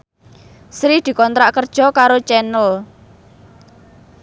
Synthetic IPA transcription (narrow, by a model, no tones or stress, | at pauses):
sɾid̪̥i̤kɔnt̪ɾaʔkərd̥ʒ̥ɔ̤kaɾot͡ʃɛnʊl